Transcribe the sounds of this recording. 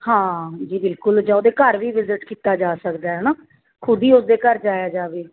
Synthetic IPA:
hãːd͡ʒiːbɪlkʊld͡ʒãoːd̪eːkəɾʋiːʋɪzɪʈkiːt̪aːd͡ʒaːsəkd̪aːɦɛnãː | kʰʊd̪iːʊsd̪eːkəɾd͡ʒaːjaːd͡ʒaːʋeː

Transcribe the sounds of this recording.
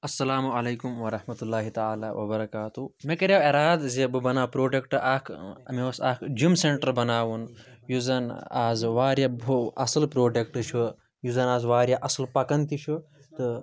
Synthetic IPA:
ɐsːɐlaːmuɐleːkumʋɐɾɐhmɐt̪ulːaːɦit̪ɐaːlaːwʔɐbɐɾɐkaːt̪umekɐɾaweɾaːd̪zebɨbɐnaːwpɾoːɖekʈɨʔaːkʰmiɐsaːkʰd͡ʒumseɳʈɐɾbɐnaːwunjuzɐna̰ːzʋaːɾjɐboɐsɐlpɾoːɖekʈɨt͡ʃʰu | juzɐnaːzʋaːɾjaʔɐslpɐkɐnt̪it͡ʃʰu | t̪ɨ

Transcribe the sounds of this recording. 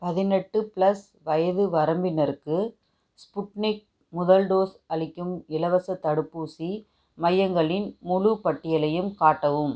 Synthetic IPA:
pɐðɪnɛʈːɯpɭɐs | ʋɐjɐðɯʋɐɾɐmbɪnɐɾɯkːɯ | spʊʈnɪk̚ | mʊðɐlɖoːsɐɭɪkːɯmɪlɐʋɐsɐt̪ːɐɽɯpːuːsi | mɐjːɐŋɡɐɭɪnmʊɻupɐʈːɪjɐlɐjɯmkaːʈːɐʋɯm

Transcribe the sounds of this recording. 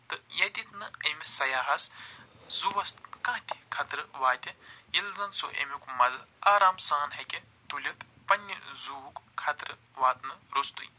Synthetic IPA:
t̪ɨjɐd̪it̪nɨemisɐjaːɦɐs | zuʋɐst̪kãːt̪ʰi̥kʰɐt̪ɾɨʋaːt̪ʲɐjilzɐnso̰ʔḛmikumɐzɨaːɾaːmsaːnɦɐkʲe | t̪ulʲɐk̪ | pɐnʲːḭzuukkʰːɐt̪ɾɨ | ʋaːt̪nɨɾost̪ṵj

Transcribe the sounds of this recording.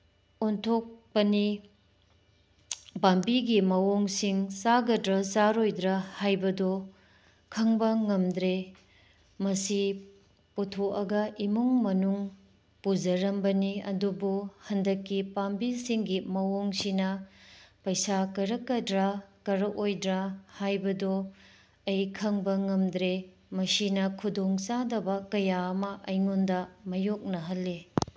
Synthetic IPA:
ontʰok̚pɐni | bambiɡimɐwoŋsiŋsaɡɐdɾɐsaɾojdɾɐhajbɐdɔ | kʰɐŋbɐŋɐmdɾe | mɐsi | putʰoʔɐɡɐʔimuŋmɐnuŋ | pud͡ʒɐɾɐmbɐniɐ̰dubuhɐndɐkːipambilsiŋɡimɐwoŋsinɐpɐjsakɐɾɐkːɐdɾakɐɾɐʔojdɾahajbɐdɔ | ɐjkʰɐŋbɐŋɐmdɾe | mɐsinɐkʰudoŋt͡ʃadɐbɐkɐjaɐmɐʔɐjŋondɐmɐjok̚nɐɦɐlːe

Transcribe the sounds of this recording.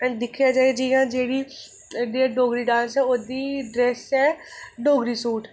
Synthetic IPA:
ɛ̃d̪ɪkʰijaːd͡ʒaːed͡ʒiːjãːd͡ʒeːɽiː | ɖiːaɖoːɡɾiːɖãːnsɛːoːd̪iːɖɾɛːsɛːɖoːɡɾiːsuːʈ

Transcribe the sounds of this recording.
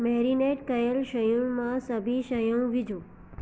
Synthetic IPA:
mɛɾineʈkəjəlʃəjə̃mãsəbʱiʃəjəw̃ʋid͡ʒũ

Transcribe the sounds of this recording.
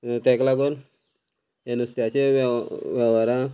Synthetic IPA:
t̪eklaɡon | enust̪jat͡ʃeʋaʋaɾa

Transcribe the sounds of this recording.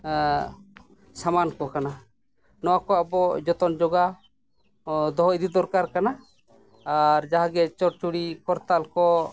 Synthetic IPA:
samankɔkana | nɔwakɔabɔd͡ʒɔt̪ɔnd͡ʒɔɡa | d̪ɔɦɔid̪id̪ɔɾkaɾkanaː | ɾd͡ʒaɦaɡɛt͡ʃɔɾt͡ʃuɽikɔɾt̪alkɔ

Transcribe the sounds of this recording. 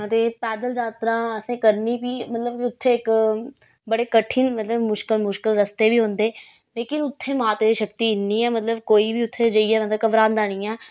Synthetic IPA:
t̪eːpɛːd̪əld͡ʒaːt̪ɾãːəsẽːkəɾniːpiːmət̪ləbkiʊt̪ʰːeːɪk | bəɽeːkəʈʰɪnmət̪ləbmʊʃkɪlmʊʃkɪlɾəst̪eːbiːɦõːnd̪eː | leːkɪnʊt̪ʰːeːmaːt̪eːd̪iːʃəkt̪iːɪnːiːɛːmət̪ləbkoːiːbiːʊt̪ʰːeːd͡ʒəiːɛːmət̪ləb̚kəbɾãːnd̪aːɽ̃iːɛː

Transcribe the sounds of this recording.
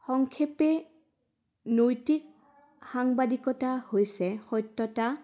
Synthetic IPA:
xɔŋkʰepɛ | nojtik̚ | xaŋbadikɔtahojsɛxɔjtːɔta

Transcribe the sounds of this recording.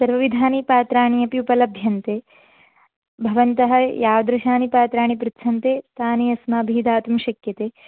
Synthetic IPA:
sɐɾʋɐʋid̪ʱaːnipaːt̪ɾaːɳijɐpijupɐlɐbʱjɐnt̪eː | bʱɐʋɐnt̪ɐɦɐ̆jaːʋɐd̪ɾɐʃaːnipaːt̪ɾaːɳipɾɪt̪ʃʰɐnt̪eːt̪aːniɐsmaːbʱiːd̪aːt̪umʃɐkjɐt̪eː

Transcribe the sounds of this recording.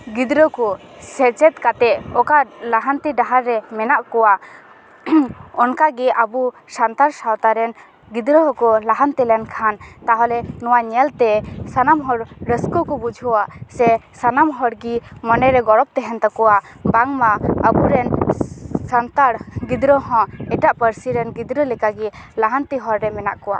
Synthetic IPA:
ɡid̪ɾɔkɔsɛt͡ʃɛt̪̚kat̪ɛɔkalaɦant̪iɖaɦaɾːɛmɛnaʔkɔwaʔ | ɔnkaɡɛʔabu | sant̪aɾsawt̪aɾɛn | ɡid̪ɾɔɦɔkɔlaɦant̪ɛlɛnkʰant̪aɦɔlɛnɔwaɲɛlt̪ɛsanamɦɔɽɾəskɔkɔbud͡ʒʱuwaʔsɛsanamɦɔɽɡimɔnɛɾɛɡɔɽɔp̚t̪ɛɦɛnt̪akɔwa | baŋmaəbuɾɛn | sant̪aɽɡid̪ɾəɦɔ̃ɛʈaʔpəɾsiɾɛnɡid̪ɾəlɛkaɡɛlaɦant̪iɦɔɾːɛmɛna̰ʔkɔwa

